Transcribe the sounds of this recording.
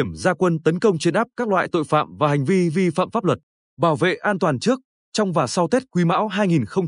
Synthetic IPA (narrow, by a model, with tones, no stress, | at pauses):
əmzaː˧kwə˧nt̪ə˨˦nkə˧wŋ͡mt͡ɕe˧nʔaː˦˥p̚kaː˦˥k̚la̰ː˧˨jt̪o̰˧˨jfa̰ː˧˨mvaː˨˩ha˨˩jŋ̟vi˧vi˧fa̰ː˧˨mfaː˦˥p̚lə˨˩t̚ | ɓaː˧˩wvḛ˧˨ʔaː˧nt̪waː˨˩nt͡ɕɨ˦˥ək̚ | t͡ɕɔ˧wŋ͡mvaː˨˩sa˧wt̪e˦˥t̚kwi˧ma̰ː˧˥wɦaː˧jŋi˨˩nxə˧wŋ͡m